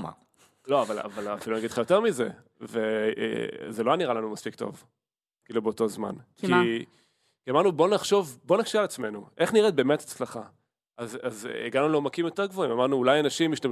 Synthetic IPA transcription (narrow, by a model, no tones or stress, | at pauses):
ma̰ | lo̞avala̰valafilunaɡid̪lχajo̞te̞ʁmize̞ | vḛ | zelojaniʁalanumaspikto̰v | kiiːlubeoto̞zma̰nki | kiamaʁnubo̞naχʃo̞vbo̞nakʃialat͡sme̞nuʔe̞χniʁet̚be̞ːme̞tḁt͡slaχa | azazḭɡanuleomakimjo̞te̞ʁɡvoimamaʁnuːlajanaʃimiʃtam